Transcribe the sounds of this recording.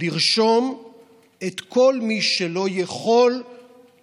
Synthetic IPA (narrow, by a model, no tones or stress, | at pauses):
iʁʃo̞m | et̪kʰo̞lmiʃelo̞jeχo̞l